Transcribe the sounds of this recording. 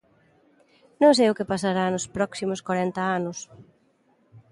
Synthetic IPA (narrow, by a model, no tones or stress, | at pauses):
nõŋsejʊkɪpasaɾanʊspɾɔksimʊskwaɾɛnt̪ɐanʊs